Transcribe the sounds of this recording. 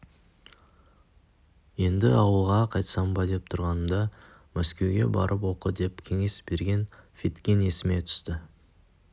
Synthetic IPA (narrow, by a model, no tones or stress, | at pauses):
je̞nd̪ɪɑwəlˠʁɑqʰɑjt̪sɑmbɑd̪e̞p̚t̪ʰʊɾʁɑnəmd̪ɑ | mæskʲe̞wɡʲe̞̰bɑ̰ɾʔəpwo̞qəd̪e̞pkʲʰe̞ŋe̞sbe̞ɾɡʲe̞nfit̪kʲene̞sɪme̞t̪ʰʏ̥st̪ɪ